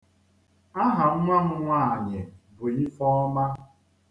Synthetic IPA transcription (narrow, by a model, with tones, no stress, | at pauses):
a˦ɦa˨ŋ̩˦ŋʷa˦ŋʊ˦ŋʷa˦˨ɲɪ˨bʊ˨i˦fɔ˦ɔ˦ma˦